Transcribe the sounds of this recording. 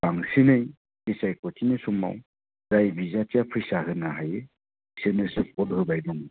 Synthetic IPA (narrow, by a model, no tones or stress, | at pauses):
baŋsinɯj | isajkɔtʰinesuma̰w | zajbizatiapʰɾisaɦɯnaɦajɯ | isenesɯp̚ɔdɦɔbajdɔŋ